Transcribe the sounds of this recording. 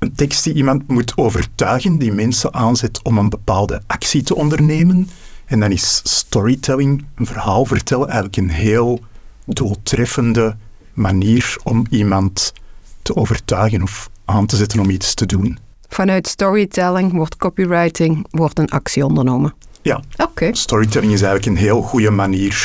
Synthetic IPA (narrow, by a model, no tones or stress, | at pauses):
əntɛkst̚diimɑntmutʰoːvərtœːɣəndimɛnsənʔaːnzɛtɔmənbəpaːlˠdəʔɑksitəʔɔndərneːmənɛndɑnɪsːtɔɹitʰɛlɪŋənvərɦaːlˠvərtɛlˠɛːjɣələkənɦeːlˠ | dulˠtrɛfəndə | maniːrɔmimɑntː | əoːvərtœːɣənɔfʔaːntəzɛtənɔmitstədun | v̥ɑnœɥtstɔɹitɛlɪŋʋɔrtkɔpiɹajtɪŋʋɔrtənɑ̰ksiɔndərnoːmənja̰ʔokeːstɔɹitɛlɪŋɪs̬ɛjɣələkənɦeːlˠɣujəmaniːr